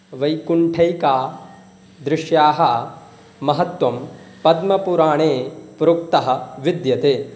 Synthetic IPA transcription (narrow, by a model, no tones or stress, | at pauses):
ʋɐjkuɳʈʰɐjkaː | d̪ɾɪʂjaːɦɐ | mɐɦɐt̪wɐmpɐd̪mɐpuɾaːɳeːpɾuk̚t̪ɐɦɐ̆ʋid̪jɐt̪eː